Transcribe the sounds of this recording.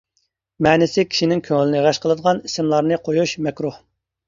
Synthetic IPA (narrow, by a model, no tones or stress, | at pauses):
mɛːnɪsɪkʲʰi̥ʃinɪŋkʲʰøŋɪlɪnɪʁæʃqʰəlˠɨd̪əʁɑnisɪmlˠɑɾnɨqʰojuʃmɛkʲɾuh